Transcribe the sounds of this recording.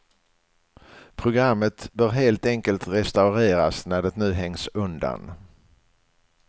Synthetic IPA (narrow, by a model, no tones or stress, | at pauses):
pʰɾʊɡɾamːət̪bœːɾɦeːlt̪ɛŋkəlt̪ɾɛst̪aʊɾeːɾasnæɖɛt̪nʉ̟ːɦɛŋsɵnd̪a̰n